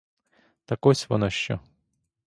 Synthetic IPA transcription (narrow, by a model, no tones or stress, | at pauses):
t̪ɐkɔsʲʋɔnɔʃt͡ʃɔ̰